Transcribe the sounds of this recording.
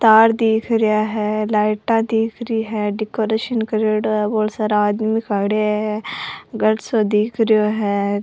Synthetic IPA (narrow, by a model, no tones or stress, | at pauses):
t̪aːɾd̪iːkʰɾɪjaːɦɛːlaːɪʈãːd̪iːkʰɾiːɦɛːɖikoːɾeːʃənkəɾeːɽboːlsɐɾaːd̪mikaːɽeɦɛɡɐɽsod̪iːkʰɾijoːɦɛː